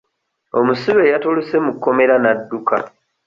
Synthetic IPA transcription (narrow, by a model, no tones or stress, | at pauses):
o̞musiβe̞jatoluse̞mukːo̞me̞ɾanadːuka̰